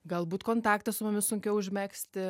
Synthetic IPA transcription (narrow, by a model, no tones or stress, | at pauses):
ɡɐlˠbuːt̪koːnt̪ɑːk̚t̪ɐsʊmʊmʲɪsʊŋʲkʲɛʊʊʒʲmʲæːksʲt̪ʲɪ